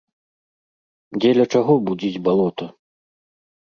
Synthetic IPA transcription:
d͡zʲɛlʲɐt͡ʂaɣɔbud͡zʲid͡zʲbalˠɔt̪ɐ

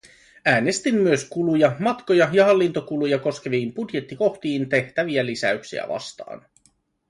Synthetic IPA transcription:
æːne̞st̪imːyøskulujɑmɑt̪ko̞jɑjɑhɑlːint̪o̞kulujɑko̞sk̟e̞ʋiːmb̥udje̞t̪ːiko̞xt̪iːnt̪e̞ht̪æʋiælisæ̰yksḭæ̰ʋɑ̰st̪ɑ̰ːn

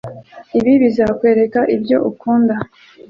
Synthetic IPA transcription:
iβiβizakwe̞ːɾe̞kaʔibɟo̞̰ʔukuːnda

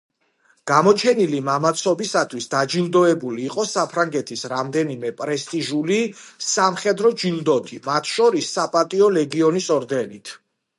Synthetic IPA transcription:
ɡ̥amɔt͡ʃʰɛnilimamat̪sʰɔbisat̪ʰwisd̪ad͡ʒilˠd̪ɔɛbuliːqʼɔsapʰɾaŋɡɛt̪ʰisɾamd̪ɛnimɛpʼɾɛst̪ʼiʒulisamχɛd̪ɾɔd͡ʒilˠd̪ɔt̪ʰimat̪ʰʃɔɾisːapʼat̪ʼiɔlɛɡiɔnisɔɾd̪ɛnit̪ʰ

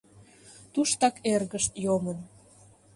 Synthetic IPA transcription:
t̪uʃt̪ɑkerɣəʃt̪jomən

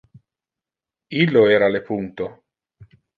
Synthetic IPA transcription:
ilːoeːɾalepunt̪o

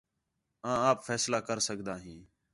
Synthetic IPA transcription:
ãːaːpfʰɛːslaːkəɾsəɡd̪aːɦĩː

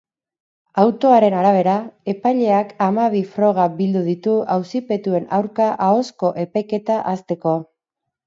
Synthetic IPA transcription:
awt̪o̞aɾe̞naɾaβ̞e̞ɾae̞pajʎe̞akamaβ̞ifɾo̞ɣ̞abild̪uðit̪uawsipe̞t̪ue̞nawɾkaʔao̞sko̞ʔe̞pajke̞t̪aʔast̪e̞ko̞

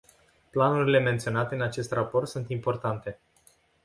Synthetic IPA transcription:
planuɾile̞ment̪sio̞nat̪e̞ɨnat͡ʃe̞st̪rapo̞rt̪sunt̪impo̞rt̪ant̪e̞

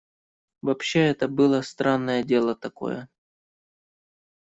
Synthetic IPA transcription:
vɐpɕːeɛt̪əbɨlˠəst̪ɾanːəjədʲe̞lˠət̪ɐko̰jə

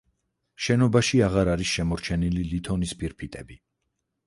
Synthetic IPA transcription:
ʃɛnɔbaʃiaʁaɾaɾisʃɛmɔɾt͡ʃʰɛnililit̪ʰɔnispʼiɾpʰit̪ʼɛbi

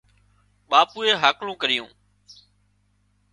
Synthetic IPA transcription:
ɓaːpuːeːɦaːklũːkəɾɪjũː

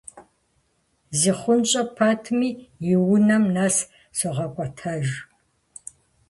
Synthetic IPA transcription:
ziːχʷʊnɕʼɐpʰatʰmiːjɪwʊnɐmnaːs | sɐʁɐkʷʼɔtʰɐʒ

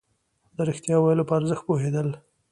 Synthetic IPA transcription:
d̪̥əɾɪxt̪jɑwajəlopəaɾzəxt̪̚poɦed̪əl

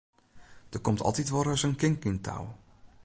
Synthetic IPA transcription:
d̥ərkɔmtʰɑ̰lˠtitʋoɾəsənkɪŋkintʰa̰w

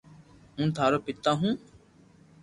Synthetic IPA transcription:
ɦũːt̪ʰaːɾoːpɪt̪ːaːɦũː

